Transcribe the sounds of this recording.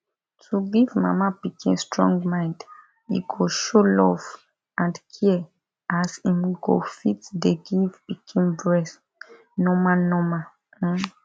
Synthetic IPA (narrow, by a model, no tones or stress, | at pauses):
tʰuɡivma̰mapikʰḭ̃nstɹɔ̰̃ŋɡmãɪ̃nd | ḭɡoʃolɔv | ʔãndkʰiɛ | ʔasĩnwiɡo̰fitdeɡivpikʰĩnbɹɛs | nɔmanɔma